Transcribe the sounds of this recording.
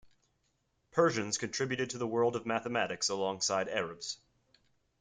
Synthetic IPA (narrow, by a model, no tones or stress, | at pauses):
pʰɜ˞ʒɨ̃nz̥kʰɨ̃ntʰɹ̥ɪbjʉɾɨd̚tʰɨðəwɜ˞lˠdʌvmæθəmæɾɨksəlɔ̃ŋsaɪɾɛɹɨbz̥